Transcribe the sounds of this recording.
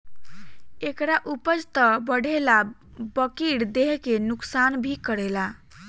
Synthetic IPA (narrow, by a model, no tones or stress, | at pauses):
ekɾaʔupəd͡ʒt̪əbəɽʱela | bəkiɽd̪eɦkenuksanbʱikəɽela